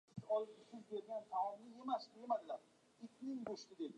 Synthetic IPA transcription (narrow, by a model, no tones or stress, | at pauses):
ɪt͡ʃɒlˠɪpɪsɪzbe̞ɾɡʲant̪ʰaɪnɪe̞masemad̪ɪlaɾ | ɪkʲnɪŋboʃt̪ɪd̪ed̪ɪ